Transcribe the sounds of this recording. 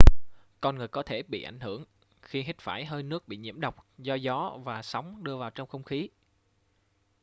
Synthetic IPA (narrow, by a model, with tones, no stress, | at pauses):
kɔ˧nŋɨ˨˩əjkɔ˨˦t̪ʰe˧˩ɓḭ˧˨ʔa˧˩jŋ̟hɨ˧˩əŋ | xi˧ɦi˦˥t̚faː˧˩jɦəː˧jnɨ˦˥ək̚ɓḭ˧˨ɲḭ˧˩əmɗə˨˩wk͡p̚zɔ˧zɔ˨˦vaː˨˩sɔ˨˦wŋ͡mɗɨ˧əvaː˨˩wt͡ɕɔ˧wŋ͡mxə˧wŋ͡mxi˨˦